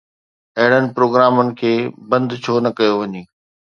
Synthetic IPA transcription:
ɐɦɪɽ̃ənɪ̆pɾoːɡɾaːmənɪ̆kʰeːbɐ̃nd̪t͡ɕʰoːnɐkɐjoʋɐɲiː

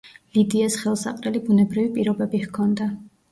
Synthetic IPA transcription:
lid̪iasχɛlˠsa̰qʼɾɛlibunɛbɾivipʼiɾɔbɛbihkʰɔnd̪a

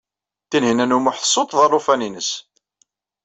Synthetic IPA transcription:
θinhinænuməħsˤːot̪ˤðɑrˤːofæninəs

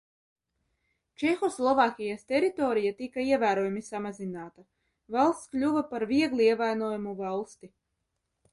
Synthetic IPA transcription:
t͡ʃɛxuslˠɔvaːkʲijast̪ʲɛɾit̪ɔːɾijat̪ikaiɛvæːɾoɔjumisamazinaːt̪a | valˠst̪klʲuvapaɾviɛɡlˠiiɛvajnuːjumuvalˠst̪i

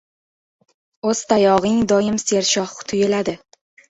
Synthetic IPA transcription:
oz̥t̪ʰajɒʁɪŋd̪ɒjɪmseɾʃɒχt̪ʰʊjɪlad̪ɪ

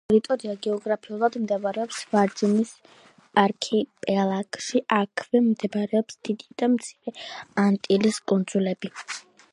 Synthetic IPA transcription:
ɾit̪ʼɔɾiaɡɛɔɡɾapʰiulˠad̪md̪ɛvaɾɛɔpsvaɾd͡ʒɛnis | pʼaɾkʰipʼɛlˠakʼʃiʔakʰvɛmd̪ɛvɾɛɔpsd̪̥id̪id̪̥amt̪sʰiɾɛant̪ʼiliskʼund̪z̥ulɛbi

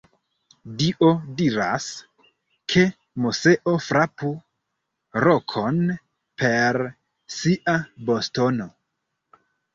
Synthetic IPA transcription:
diʔo̞diɾa̰s | kʰe̞ | muse̞ʔo̞fɾapu | ɾokʰo̞n | pe̞ɾ | siʔabo̞sto̞no̞

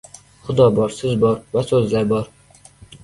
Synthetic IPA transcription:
χʊd̪ɒbɒɾsɪzbɒɾvasozlaɾbɒɾ

